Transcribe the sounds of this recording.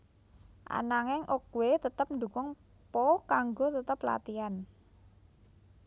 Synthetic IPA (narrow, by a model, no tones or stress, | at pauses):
ʔa̰naŋɪŋʔokuwet̪ət̪əp̚nd̪ṳkʊŋ | pɔkaŋɡot̪ət̪əpla̰t̪ian